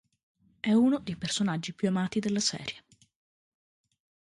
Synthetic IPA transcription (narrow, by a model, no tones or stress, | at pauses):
ɛuːnod̪ejpersonad͡ʒːipjuamaːt̪id̪elːasɛ̰ːɾje